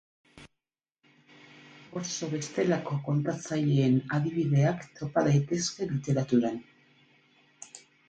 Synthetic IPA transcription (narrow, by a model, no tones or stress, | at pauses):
o̞ɾso̞βe̞st̪e̞lako̞ko̞nt̪at͡saʎe̞ːnaðiβ̞iðe̞akt̪o̞paðajt̪e̞ske̞lit̪e̞ɾat̪uɾan